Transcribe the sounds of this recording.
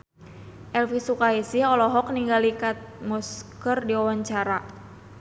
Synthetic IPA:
ʔɛlfisukaisiɔlɔɦɔk̚niŋɡalikat̪̚mɔskərdiɔwaɲt͡ʃaɾa

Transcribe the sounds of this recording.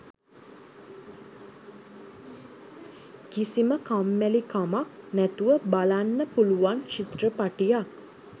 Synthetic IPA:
kisiməkamːælikamak̚næt̪uʋəbalanːəpuluʋanʃit̪rəpaʈijak

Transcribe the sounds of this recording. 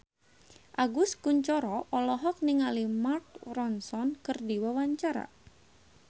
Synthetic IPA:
ʔaɡuskuɲt͡ʃɔɾɔʔɔlɔɦɔk̚niŋalimark̚rɔnsɔnkɨrdiwawaɲt͡ʃaɾa̰

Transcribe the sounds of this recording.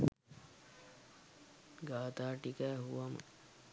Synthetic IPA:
ɡaːt̪aːʈikæːɦuʋɐmə̰

